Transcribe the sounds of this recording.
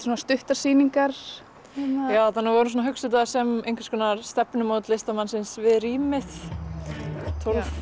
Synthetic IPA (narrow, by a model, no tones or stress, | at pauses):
soːnast̪ʏht̪aɾ̥siːniŋkaɾ̥ | jaːwθanːavɔɾʏns̬ɔnaɦʏksʏt̪̬asɛmejŋkvḁskʰɔːnaɾst̪ɛpnʏmoːwt̪lɪst̪amansɪnsvɪðriːmɪθ | t̪ʰolf